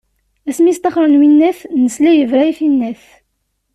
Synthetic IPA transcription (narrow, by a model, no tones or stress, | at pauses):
æsmist̪ɑχɾˤənwinːæθnəslæjəvɾæifinːæθ